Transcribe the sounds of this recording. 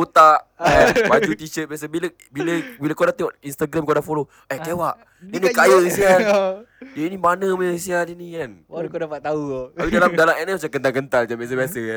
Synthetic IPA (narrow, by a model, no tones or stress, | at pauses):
ot̪aʔabad͡ʒut̪it͡ʃət̪̚bias̬əbilə | biləbilakodaʔt̪eɔʔinst̪aɡɾamkodaʔfolo | ɛkewaʔ | dənĩkajəsia | dəinĩmanəməsiadənikankodapat̪auapidalamdalamɛnɛsiakənt̪aŋkənt̪ald͡ʒabias̬əbiasəa